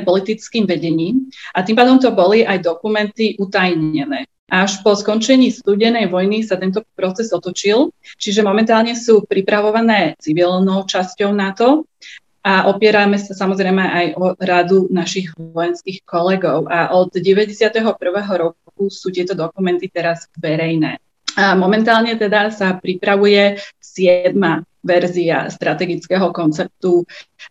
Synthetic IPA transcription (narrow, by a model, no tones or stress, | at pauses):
pɔlit̪it͡skiːmʋɛɟɛɲiːmat̪impaːd̪ɔmt̪ɔbɔliʔajd̪ɔkumɛnt̪iʔut̪ajɲɛnɛː | ʔaʃpɔskɔnt͡ʃɛɲiːst̪uːɟɛnɛjʋɔjnisat̪ɛnt̪̬ɔpɾɔt͡sɛzɔt̪ɔt͡ʃilt͡ʃiʒɛmɔmɛnt̪aːlɲɛsuːpɾipɾaʋɔʋanɛːt͡siʋilnɔʊt͡ʃascɔʊnat̪ɔ | aʔɔpɪɛɾamɛsasamɔzɾɛjmɛʔajʔɔɾad̪unaʃiɣʋɔjɛnskiːxkɔlɛɡɔʊʔaʔɔd̪ɟɛʋɛɟɛsɪat̪ɛɦɔpr̩ʋɛːɦɔɾɔ | kusuːt̪ɪɛt̪ɔd̪ɔkumɛnt̪it̪ɛɾaz̥ʋɛɾɛjnɛ̰ː | amɔmɛnt̪aːlɲɛt̪ɛd̪asapɾipɾaʋujɛsɪɛd̪ma | ʋɛɾzia̰st̪ɾat̪ɛɡit͡skɛːɦɔkɔnt͡sɛp̚t̪u